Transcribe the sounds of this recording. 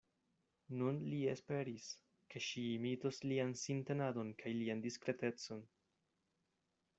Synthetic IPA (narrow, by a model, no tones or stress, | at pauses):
nunliespe̞ɾis | ke̞ʃiːmitosliansinte̞nado̞nkʰajliandiskɾe̞te̞t͡so̞n